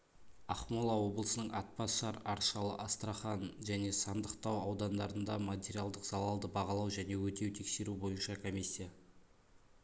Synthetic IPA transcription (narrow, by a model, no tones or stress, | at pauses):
ɑχmolˠɑwo̞blˠəsənəɴʔɑt̪̚pɑsʃɑɾɑɾʃɑlˠə̰ʔɑst̪ɾaχɑnʒæne̞sɑnd̪əqt̪ɑwɑwd̪ɑnd̪ɑɾənd̪ɑmat̪ʲeɾʲijalˠd̪əqz̥ɑlˠɑlˠd̪əbɑʁɑlˠɑwʒæne̞wɵt̪e̞wt̪ʰe̞kse̞ɾubo̞jənʃɑkʰomijsʲːija